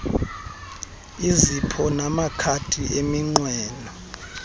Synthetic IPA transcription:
izipʰɔnamakʰatʰiʔemiŋ͡ǀwɛːnɔ

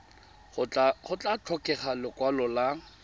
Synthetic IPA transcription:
aχʊt͡ɬʼat͡ɬʰɔkʼɛχalɪkʼwalɔla

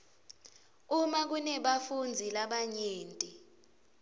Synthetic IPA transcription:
umak̬unɛɓafund͡zʱilaɓaɲeːntʼi

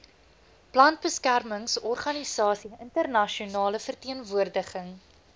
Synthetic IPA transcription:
plɐnt̚bəskærməŋsɔrχɐnisɑːsiəntərnɐʃiunɑːləfərtiənvuərdəχəŋ

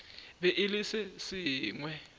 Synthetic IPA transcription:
βɛʔɪlisɪsɪːŋwɛ

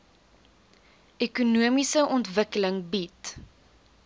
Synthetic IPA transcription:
ekunuəmisəʔɔntvəkələŋbit

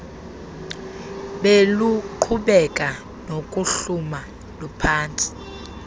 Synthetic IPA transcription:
ɓeluǃʰuɓɛkʼa | nokʼuɬuma | lupʰaːntʰʼi̥

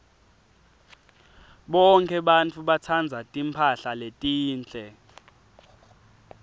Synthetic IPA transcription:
ɓɔŋkʰʼɛɓant͡fʰʼuɓat͡sʰand͡zʱatʼimpʰaɬaletʼiːnt͡ɬʼɛ

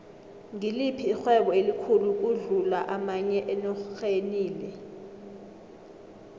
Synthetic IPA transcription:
ŋilipʰiːxwɛɓɔelikʰuluk̬uɮulaʔamaɲɛʔɛnɔxeniːlɛ

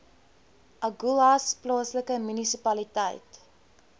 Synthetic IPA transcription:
ʔɐɡulɐsplɑːsləkəmynisipɐlitə̰jt

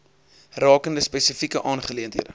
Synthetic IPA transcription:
rɑːkəndəspɛsəfikəʔɑːnχəliəntɦḭədə

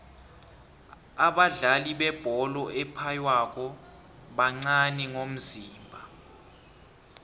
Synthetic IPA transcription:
aɓaɮaliɓɛb̥ʱɔlɔʔɛpʰajwak̬ʼɔ | ɓaŋ͡ǀanɛŋom̩ziːmbʱa

